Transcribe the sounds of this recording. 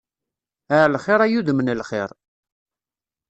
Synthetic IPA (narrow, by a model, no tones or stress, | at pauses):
əʕlχɪɾˤæjuðəmənilχɪ̰ɾˤ